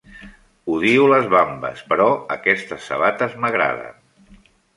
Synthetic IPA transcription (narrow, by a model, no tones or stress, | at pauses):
uðiuləzβambə̰spəɾɔəkɛst̪əsːə̰βat̪əzməɣɾa̰ðə̰